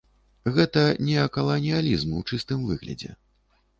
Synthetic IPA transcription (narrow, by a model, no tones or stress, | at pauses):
ɣɛt̪ɐnʲɛɐkɐlˠɐnʲijalʲizmuwt͡ʂɨst̪ɨmvɨɣlʲɐ̰d͡zʲɛ̰